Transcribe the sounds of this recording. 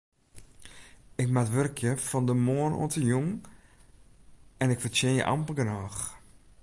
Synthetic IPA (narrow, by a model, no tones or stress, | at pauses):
ɪkmatʋørkʰjəfɔndəmoːəno̰ətəjuŋ | ɛnɪkfərt͡ʃɪnjə̰ʔa̰mpəlɡənɔːx